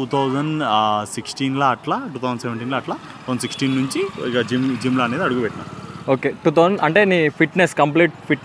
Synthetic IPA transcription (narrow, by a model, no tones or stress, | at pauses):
ʈuːt̪ʰɐwd͡ʒɐnsiksʈiːnlɐɐʈlaːʈuːt̪ʰɐwzɐɳseʋɐɳʈiːnlɐːɐʈlaː | t̪ɐɐɳsiksʈiːnːuɲt͡ʃiikɐd͡ʒiːmd͡ʒiːmlaːneːd̪iɐɽuɡubɛʈːɐna̰ːmoːkeːʈuːt̪ʰɐwzɳɐɳʈe̞ːniːpʰiʈneskɐmp̬liːʈ̚pʰiʈ